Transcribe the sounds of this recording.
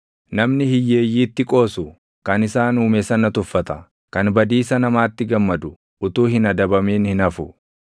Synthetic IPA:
nɐmnɪhɪjːeːjːiːt̪ːɪkʼo̞ːsʊ | kɐnɪsaːnuːmesɐnɐt̪ʊfːɐt̪ɐ | kɐnbɐd̪iːsɐnɐmaːt̪ːɪɡɐmːɐd̪ʊ | ʔʊt̪uːhɪnɐd̪ɐbɐmeːnhɪnɐfʊ

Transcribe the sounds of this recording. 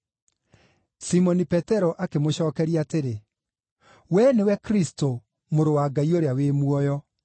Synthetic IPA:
simɔnipɛtɛɾɔʔakemoɕɔːkɛɾiateɾe | wɛnewɛkɾisto | moɾowaɡaioɾeaweːmuɔjɔ

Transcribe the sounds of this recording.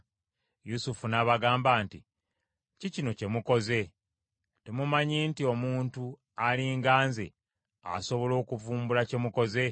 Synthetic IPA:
jusufunaβaɡaːmbaːnti | cicino̞ce̞muko̞ze̞ | temumaɲiːntio̞muːntu | aliːŋɡaːnze̞̰ | a̰so̞βo̞lo̞ːkuvuːmbulace̞muko̞ze̞

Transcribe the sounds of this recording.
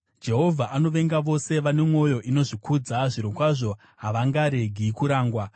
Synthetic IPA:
d͡ʒe̞ɦo̞vʱaʔano̞ʋe̞ŋɡaʋo̞se̞ʋane̞mwo̞jo̞ʔino̞ʐikʰud͡zaʐiɾokwaʐo̞ | ɦaʋaŋɡaɾe̞ɡʱikuɾaːŋɡwa

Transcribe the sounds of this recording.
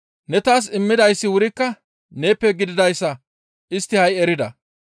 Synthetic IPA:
nɛt̪aːs̬ɪmːɪd̪ɐjsːɪwʊɾɪkːɐ | ne̞ːpːɛɡɪd̪ɪd̪ɐjsːɐ | ʔɪst̪ːɪhɐjɛɾɪd̪ɐ

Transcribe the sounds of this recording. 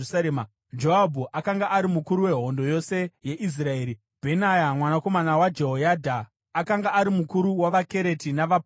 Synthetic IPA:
saema | d͡ʒoabʱuʔakaŋɡaʔaɾimukuɾuwe̞ɦo̞ndo̞jo̞se̞je̞ʔis̬rae̞ːɾi | b̥ʱe̞najamwanako̞manawad͡ʒe̞ɦojadʱaː | kaŋɡaːɾimukuɾuwaʋake̞ɾe̞tinaʋap

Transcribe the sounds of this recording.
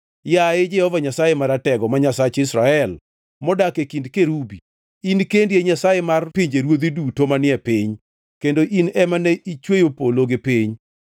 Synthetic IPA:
jaed͡ʒɛhɔvaɲasajemaɾatɛɡɔmaɲasat͡ʃɪsɾaɛl | mɔdakekindkeɾubi | inkendjeɲasajemarpiɲd͡ʒeɾwod̪idutomanɪɛpɪɲ | kendoʔinɛmanɛʔit͡ʃwejopoloɡepiɲ

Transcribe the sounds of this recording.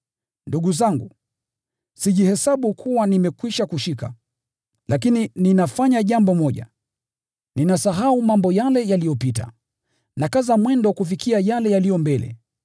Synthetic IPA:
nduɠuzaŋɡu | siʄihɛsaɓukʰuwanimɛkwiʃakuʃika̰ | lʔakinininafaɲaʄambɔmɔʄa̰ | ninasaɦaumambɔjalɛjalijɔpita̰ | nakazamwɛndɔkufikiajalɛjalijɔmbɛlɛ̰

